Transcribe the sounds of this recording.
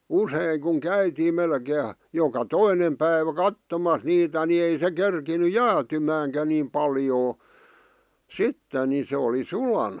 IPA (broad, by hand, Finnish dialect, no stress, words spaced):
useˑĭŋ kuŋ kæytiːm melkeː jokɑ toinem pæiʋæ kɑtːomɑs niːtæ ni ei se kerkiny jæːtymæːŋkæ nim pɑljoː sitːen ni se oli sulɑnɑ